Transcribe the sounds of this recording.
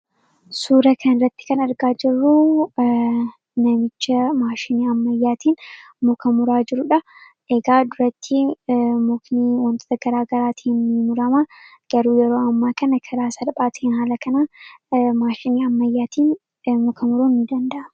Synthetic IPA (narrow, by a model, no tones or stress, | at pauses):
suːɾɐkʰɐnɪrːɐt̪ːɪ̥kɐnɐɾɡaːd͡ʒɪrːu | nɐmɪt͡ʃːɐmaːʃɪniːɐmːɐjːaːt̪iːn | mʊkɐmʊɾaːd͡ʒɪɾʊᶑɐ | ʔeɡaːd̪ʊɾɐt̪ʰːɪmɔkniwɐnt̪oːt̪ɐɡɐɾaːɡɐɾaːt̪ʰiːnːɪmʊɾɐmɐ | ɡ̥ɐɾuːjɛɾoːɐmːaːkɐnɐkʰɐɾaːsɐlbʼaːt̪ɪɪnhaːlɐkɐnaːmaːʃɪniːɐmːɐjːaːt̪iːn | mɔkʰɐmʊɾuːnnɪd̪ɐnd̪ɐʔɐmɐ